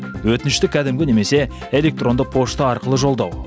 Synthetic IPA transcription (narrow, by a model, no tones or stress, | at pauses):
wɵt̪ɪnɪʃt̪ɪkʲʰæd̪ɪmɡʲɪne̞me̞se̞ | e̞lʲe̞k̚t̪ro̞nd̪əq̚pʰo̞ʃt̪əɑɾqəlˠəʒo̞lˠd̪ɑw